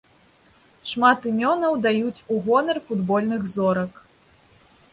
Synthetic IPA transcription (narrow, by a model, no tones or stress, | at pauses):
ʂmat̪ɨmʲɔnɐwd̪ajut͡sʲuɣɔnɛrfud̪bɔlʲnɨɣzɔɾɐk